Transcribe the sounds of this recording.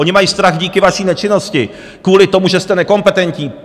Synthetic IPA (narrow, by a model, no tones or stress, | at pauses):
oɲɪmajiːst̪ɾaxɟiːkɪvaʃiːnɛt͡ʃɪno̞scɪ | kvuːlɪt̪o̞muʒɛst̪ɛnɛko̞mpɛt̪ɛnc̪ɲiː